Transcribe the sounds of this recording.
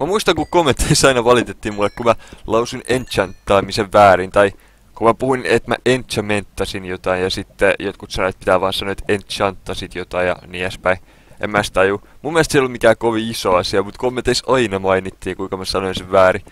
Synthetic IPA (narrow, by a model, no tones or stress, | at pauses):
mæmuist̪ɑŋkukomːent̪ʰeisɑinɑʋɑlit̪et̪ːiːmulːekkumælɑusunent̪ʃɑnt̪ːɑːmiseʋːæːɾint̪ɑi | kumæpuhuinet̪mæ̰ʔent̪ʃæment̪ːɑsinjot̪ɑinjɑsit̪ːejot̪kut̪sɑnoɑt̪̚pit̪æːʋɑːnsɑnoet̪ent̪t͡ʃɑnt̪ːɑsit̪jot̪ɑijjɑ̰niæspæin | ḛmːæst̪ɑjumumːiɛlst̪sielolmikæːkoʋiisoɑsiɑmut̪komːent̪ːeisɑinɑmɑinit̪ːiːkuiŋkɑmæsɑnoinseʋʋæːɾi